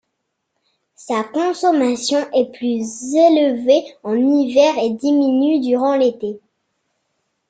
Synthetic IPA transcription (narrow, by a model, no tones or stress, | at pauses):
sakɔ̃sɔmasjɔ̃ʔɛplyzelveɑ̃nivɛʁed̪iminyd̪yʁɑ̃let̪e